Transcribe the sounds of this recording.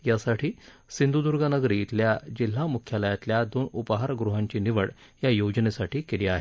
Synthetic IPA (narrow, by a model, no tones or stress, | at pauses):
jasaʈʰiːsind̪ud̪uɾɡanəɡɾiːt̪ljad͡ʑil̤ːamukʰjaləjat̪ljad̪oːnupɦaɾɡɾuɦaɲt͡ɕiːniʋəɭjajod͡ʑnesaʈiːkeliːaɦe